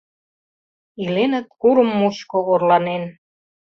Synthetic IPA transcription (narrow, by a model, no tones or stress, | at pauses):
ilenə̆t̪̚kuɾə̆mːuɕkoɣorlɑnen